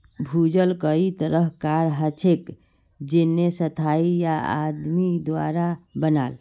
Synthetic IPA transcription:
bʱud͡ʒəlkəit̪əɾəɦkaɾɦət͡ʃʰek | d͡ʒenːesət̪ʰaijaa̰d̪mid̪wa̰ɾabənal

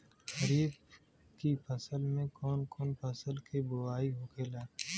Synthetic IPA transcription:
xəɾiːf | kipʰɐsəlmẽkɔːnkɔːnpʰɐsəlkebʊaːiɦoːkeːlaː

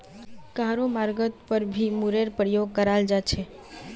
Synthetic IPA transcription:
kaɾomaɾɡət̪pəɾbʱimuɾeɾpəɾijoɡkəɾald͡ʒat͡ʃʰe

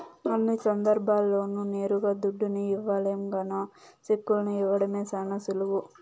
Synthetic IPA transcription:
ɐlːisɐnd̪ɐɾbʱaːlːo̞ːnuneːɾuɡaːd̪uɖːuniiʋːaleːmɡɐnoː | sikːulɐnuiʋːɐɽɐmeːsanɐsulɐʋu

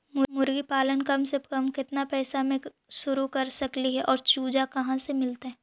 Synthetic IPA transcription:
mʊmʊɾɡipaːlənkɐmsekəmkɪt̪napɛːsamẽ | ʃʊɾukɐɾsɐkliɦɛʔɔːɾt͡ʃuːd͡ʒakɐɦãsemɪlt̪eɦɛː

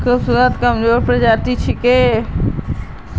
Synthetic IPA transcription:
kəsunət̪kɐmzoːɾpɾɐd͡ʒaːt̪it͡ʃʰikeː

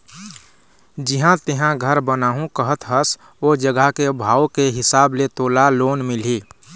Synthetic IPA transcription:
d͡ʒɪɦãt̪ɪɦãɡʱəɾbənaːɦũkəɦət̪ʰɦəs | od͡ʒəɡəɦkebʱaːokeɦɪsaːblet̪oːlaloːnmɪl̤i

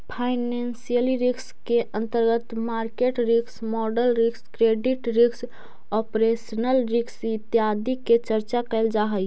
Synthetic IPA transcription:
pʰaɪnensijəliɾikskeʔə̃nt̪əɾɡət̪maːɾkeʈɾiksmɔɖəlɾikskɾeɖiʈɾiks | ɔpɾesənəlɾiksɪt̪jad̪iket͡ʃəɾt͡ʃakəɪld͡ʒaɦəj

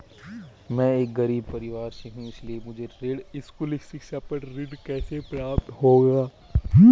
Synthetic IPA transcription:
mɛ̃eːk̚ɡɐɾiːb̚pɐɾɪʋaːɾseɦũɪsliemʊd͡ʒʱeɾɪɖɪskulɪkʰsɪkʃaːpɐɾɾɪɖkɛːsepɾaːp̚t̪ɦoːɡaː

